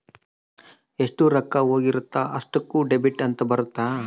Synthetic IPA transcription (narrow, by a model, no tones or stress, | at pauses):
eʂʈuɾɐkːɐɦoːɡiɾut̪ːaʔɐʂʈɐkːuːɖebiʈːɐnt̪ɐbɐɾut̪ːaː